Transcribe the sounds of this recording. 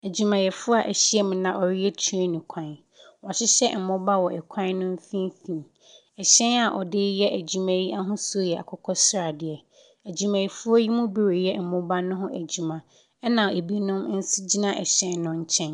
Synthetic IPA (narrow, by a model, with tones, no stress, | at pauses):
æ˨d͡ʑi˨mã˨jɛ˨fʊ˦a˨ʔæ˨ɕi˦ɛ˦mʊ̃˨nã˨ʔɔ˨ɾi˦ɛ˦tʰu˦e˦nʊ̃˨kʰã˨˦ | wɔ̃˨ɕɪ˦ɕɛ˦m̩˨mʊ̃˦ba˦wɔ˨ɛ˨kʷʰã˦nʊ̃˦m̩˦fĩ˦m˦fĩ˨ | ɛ˨ɕɛ̃˦na˨ʔɔ˨dɪ˦jɛ˦ʔæ˨d͡ʑi˨mæ̃˦ji˦ʔa˦ɦʊ̃˦so˦jɛ˨a̰˨kʰɔ˦kʰɔ˦sɾa˨dɪ˨ɛ˨ | æ˨d͡ʑi˨mã˨ji˨fʊ˦ɔ˦ji˦mũ˦bi˦ɾo˨jɛ˦m̩˨mʊ̃˦ba˦nʊ̃˦ɦʊ̃˦ʔæ˨d͡ʑi˨mã˨ | ɛ˦nã˨e˨bi˦nʊ̃˦m˦n̩˦si˦d͡ʑi˦nã˦˨ʔɛ̰˨ɕɛ̃˦nnʊ̃˦ɲ̩˦t͡ɕʰɛ̃˦n